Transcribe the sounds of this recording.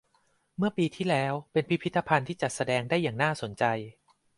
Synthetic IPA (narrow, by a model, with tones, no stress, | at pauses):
mɯ˥˩ɐpiː˧t̪ʰiː˥˩lɛː˦˥wpe˧npʰi˦˥pʰi˦˥t̪ːa˧pʰa˧nt̪ʰiː˥˩t͡ɕa˨˩t̪̚sa˧dɛː˧ŋda˥˩jːaː˨˩ŋnaː˥˩so˩˦nt͡ɕa˧j